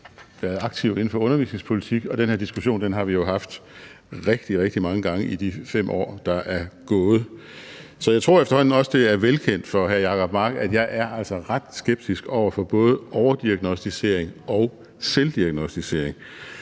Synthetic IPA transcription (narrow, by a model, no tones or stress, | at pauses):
ʋæɐð̩ˠɑ̈ɡ̥̚t͡sʰiʊe̝n̩fɒ̽ɔ̽nɐʋḭːsne̝ŋspʰo̝lit͡sʰiɡ̥ɒ̽d̥enhe̝ɐd̥isɡ̥uɕo̝̰ːnd̥enɦɑ̈ʋijo̝ɦɑ̈fd̥ | ʁeɡ̥̚d̥iʁeɡ̥̚d̥imɑ̈ŋəɡ̥ɑ̈ŋəʔid̥ifem̰ʔɒ̰ːd̥ɑ̈ʔæɐɡ̥ɔ̽ːð̞̩ˠ | sɒ̽jɑ̈ɪt͡sʰʁo̝ɐ̰efd̥ɐhɒ̽n̰n̩ɒ̽səd̥e̝æɐʋelkʰen̰d̥fɒ̽ɦæɐjɑ̈kʰɒ̽b̥mɑ̈ɡ̥æd̥jɑ̈ɪʔæɐʔæl̰sɒʁɑ̈d̥sɡ̥eb̥̚d̥isɡ̥ɒʊ̰ɐfɒ̽b̥ɔ̽ːð̞̩ˠəʔɒʊɐd̥iæɡ̥nosd̥ise̝̰ɐ̰e̝ŋɒ̽ʊ | seld̥iæɡ̥nosd̥ise̝ɐ̰eŋ